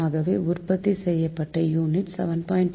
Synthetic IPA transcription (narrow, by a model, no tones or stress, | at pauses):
aːɣɐʋeːʊɾpɐt̪ːisɛjːɐpːɐʈːɐjuːnɪʈsɛʋɐnpaːɪɳʈ